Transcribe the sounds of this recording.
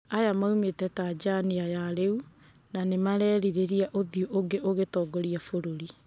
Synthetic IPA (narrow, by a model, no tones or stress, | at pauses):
ajamaumetɛtad͡ʒaniajaɾeu | nanemaɾɛːɾiɾeɾiaʔoðioʔoŋɡeʔoɣetɔːɡɔɾiafoɾoɾi